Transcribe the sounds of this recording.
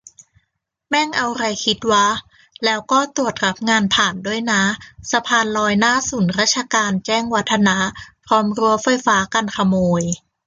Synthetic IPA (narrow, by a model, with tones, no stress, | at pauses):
mɛː˥˩ŋʔa˧wɾa˧jkʰi˦˥t̪̚waː˦˥˩ | lɛː˦˥wkɔː˥˩t̪u˨˩ət̪̚ka˦˥p̚ŋaː˧npʰaː˨˩ndu˥˩əjna˦˥sa˧pʰaː˧nlɔː˧jnaː˥˩suː˨˩˦nɾaː˥t̪̚t͡ɕʰa˧kaː˧nt͡ɕɛː˥˩ŋwa˦˥t̪ʰːa˧na˦˥pʰɾɔː˦˥mɾu˧əfa˧jfaː˦˥ka˧nkʰa˧moː˧j